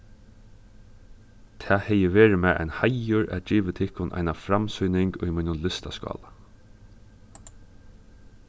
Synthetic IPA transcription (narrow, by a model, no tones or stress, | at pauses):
t̪ʰæːhɛjəʋeːɹɪmɛːɾʔa̰jnhajʊɹæ̰d͡ʒiːʋət̪ʰɪhkʊnʔa̰jnafɾamsujnɪŋkʊ̰jmiːnʊnlʏst̪askɑ̰ːla